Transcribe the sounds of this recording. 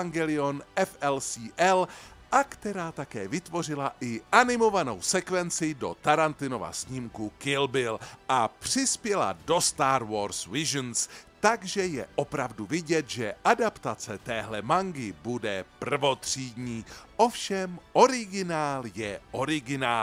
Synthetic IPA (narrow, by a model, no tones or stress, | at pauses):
aŋɡɛlɪonʔɛfɛlsiːʔɛlʔakt̪ɛɾaːt̪akɛːvɪt̪vo̞r̝ɪlaʔɪʔanɪmo̞vano̞̰wsɛkvɛnt͡sɪdo̞̰t̪aɾant̪ɪno̞va̰sɲɪmkukɪlbɪlʔapr̥ɪspjɛla̰do̞st̪aːɾvo̞ɾsvɪʒnst̪aɡʒɛjɛʔo̞pɾavduvɪɟɛt̪ʒɛʔadapt̪at͡sɛt̪ɛːɦlɛmaŋɡɪbudɛpr̩vo̞t̪r̝̥iːdɲiːʔo̞fʃɛmʔo̞ɾɪɡɪnaːljɛʔo̞ɾɪɡɪnaː